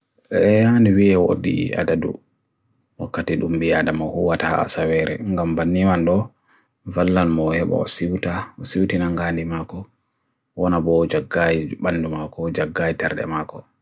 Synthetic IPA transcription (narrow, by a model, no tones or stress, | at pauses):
ʔɛhaniwiɛwo̰ɗḭa̰dadṵ | wakːatiɗumbiadamahuwataha̰sawɛɾɛ̰ŋɡambanːiwanɗɔ | valːalmɔhɛɓa̰ɔsiwtaɔsiwtinaŋɡandimakɔ | wɔnabɔd͡ʒaɡːajiɓanːdumakɔd͡ʒaɡːajitɛɾɗɛ̰makɔ